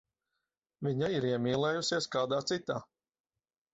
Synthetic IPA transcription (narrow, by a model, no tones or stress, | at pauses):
vʲiɲaiɾiɛmʲiːlˠɛːjusiɛskaːd̪aːt̪sit̪aː